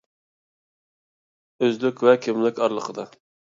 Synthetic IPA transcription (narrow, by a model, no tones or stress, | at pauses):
øzlykʲwɛkʲʰɪmlɪkʲɑɾlˠəqʰəd̪ɑ